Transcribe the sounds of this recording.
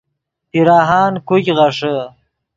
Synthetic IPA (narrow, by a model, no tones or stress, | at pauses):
t̪iɾaːɦɑːnkukʲʁaʂə